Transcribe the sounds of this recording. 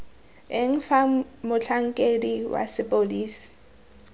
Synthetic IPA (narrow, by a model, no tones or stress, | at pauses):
ɪŋ̩famʊt͡ɬʰaŋ̩kʼediwa̰sɪpʼoliːsi̥